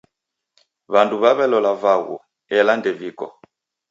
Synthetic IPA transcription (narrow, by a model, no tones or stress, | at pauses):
βanduβaβɛlɔlavaɣṵ | ɛlandɛvikɔ̰